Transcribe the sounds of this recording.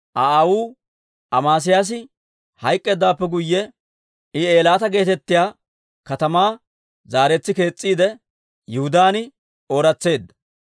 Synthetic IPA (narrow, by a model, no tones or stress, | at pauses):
ʔaaːwuː | ʔɐmaːs̬ɪjaːs̬ɪ | hɐjkʼːe̞ːd̪ːaːpːɛɡʊjːɛ | ɪe̞ːlaːt̪ɐɡe̞ːt̪ɛt̪ːɪjaː | kɐt̪ɐmaː | zaːɾɛt͡sːɪke̞ːt͡sʼːiːd̪ɛ | jɛhʊd̪aːnɪ | oːɾɐt͡sːe̞ːd̪ːɐ